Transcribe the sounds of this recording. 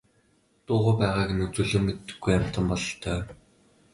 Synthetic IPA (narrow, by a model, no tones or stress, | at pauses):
t̪ʊːʁʊːpæːʁaːkenɵt͡suːɮɵ̆ːmet̪ːɘ̆ɡːujam̥t̪ə̆mpɔɮɞɬt̪ʰœː